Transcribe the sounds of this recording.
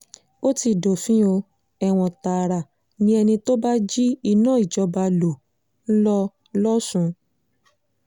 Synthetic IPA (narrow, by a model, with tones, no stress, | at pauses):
o˦ti˧do˨fĩ˦o˧ | ɛ˧w̃ɔ̃˧ta˨ɾa˨ | nĩ˦ɛ˧nĩ˧to˦ba˦d͡ʒi˦i˧˨nãː˦i˨d͡ʒɔ˧ba˧lo˨ | n̩˦lɔ˦ | lɔ˦sũ˧